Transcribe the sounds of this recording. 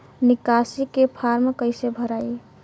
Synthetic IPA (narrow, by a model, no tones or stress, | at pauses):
nikasikepʰaɾmkəɪsebʱəɾai